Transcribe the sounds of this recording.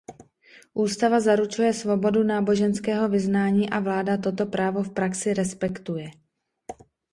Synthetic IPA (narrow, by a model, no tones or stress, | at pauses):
ʔuːst̪avazaɾut͡ʃujɛsvo̞bo̞dunaːbo̞ʒɛnskɛːɦo̞vɪznaːɲiːʔavlaːdat̪̬o̞t̪o̞pɾaːvo̞fpɾaksɪɾɛspɛkt̪ujɛ